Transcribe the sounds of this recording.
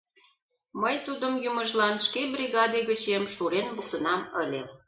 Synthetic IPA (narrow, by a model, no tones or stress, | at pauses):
məjt̪ud̪əmjumə̆ʒlɑnʃkebrʲiɣɑd̪eɣət͡ɕemʃuɾenbult̪ənɑməlʲe